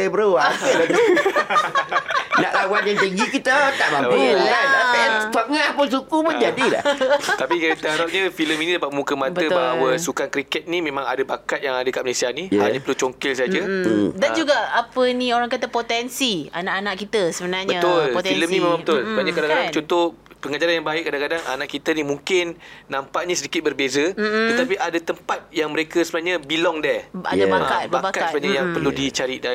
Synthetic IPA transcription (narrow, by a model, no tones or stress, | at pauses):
ebɾoaəado | naʔlawanjaŋt̪iŋɡikit̪ət̪aʔbaaəasatafaŋapʊns̬utumənd͡ʒadila̰ht̪apikəit̪aɦaɾap̚ɲəfiləminidapat̪̚əmũkəmãt̪bəəbaawəsukankɾikɛt̪̚nĩmẽmãŋadəbakat̪̚jaŋadəkaʔməlesianihaɲapəɾlut͡ʃoŋkɪlsaɦad͡ʒədad͡ʒuɡaʔapənioɾaŋkat̪əpot̪ɛnsia̰naʔanaʔkit̪əsəbənaɾɲbəaʊliləmnĩmẽmãŋbət̪ʊlbaɲakadakadaŋt͡ʃɔt̪opəŋad͡ʒaɾanjaŋbaɪʔ̚kːadakadaŋa̰naʔkit̪ənimũŋkɪnːampaʔɲəsədikɪt̪̚bərbezəət̪apiʔadat̪əmpat̪̚jaŋməɾekəsəbənahɲəbilɔŋdɛa̰abakat̪̚babkat̪səaɲajaŋpərludit͡ʃaɾiʔdan